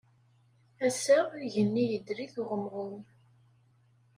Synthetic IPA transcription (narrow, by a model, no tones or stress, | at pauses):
æsəʁʝənːijəd̪ɾiθʊʁəmʁʊn